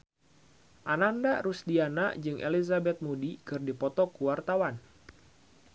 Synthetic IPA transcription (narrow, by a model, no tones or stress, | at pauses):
ʔanandaɾusdianad͡ʒɨŋʔḛlizabɛt̪̚mudikɨrdipɔt̪ɔkuwart̪awan